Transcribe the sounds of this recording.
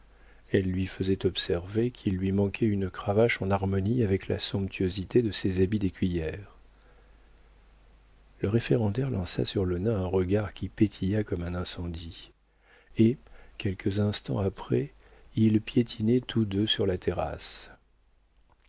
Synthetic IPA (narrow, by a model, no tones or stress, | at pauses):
ɛlːɥifəzɛt̪ɔpsɛʁvekʰilːɥimɑ̃kʰɛynkχavaʃɑ̃naʁmɔniavɛkla̰sɔ̃pt̪ʰyøzit̪ed̪əsezabid̪ekʲɥijɛːʁ | ləʁefeʁɑ̃d̪ɛʁlɑ̃sa̰syʁlənɛ̃ɛ̃ʁəɡaʁkʲipet̪ʰijakɔmɛ̃nɛ̃sɑ̃d̪i | ekʲɛlkʰəzɛ̃st̪ɑ̰̃apχɛ | ilpjet̪ʰinɛt̪ʰud̪øsyʁlat̪ʰeʁa̰s